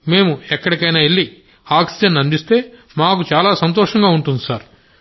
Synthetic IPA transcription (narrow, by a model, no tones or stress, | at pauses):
me̞ːmuɛkːɐɽikɐjnaːelːi | aːksid͡ʒɐnːɐnd̪ist̪e̞ː | maːkut͡ʃaːlaːsɐnt̪̬ɔːʂɐŋɡaːuɳʈund̪isaːɾ